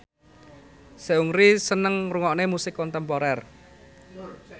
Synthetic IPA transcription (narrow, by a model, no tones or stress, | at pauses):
seuŋɾisənəŋruŋɔʔnemusɪkːɔnt̪ɛmpɔɾɛr